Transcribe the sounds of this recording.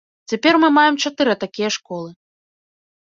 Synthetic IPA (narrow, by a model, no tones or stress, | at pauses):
t͡sʲapʲɛrmɨmajɛmt͡ʂat̪ɨɾɐt̪akʲijɐʂkɔlˠɨ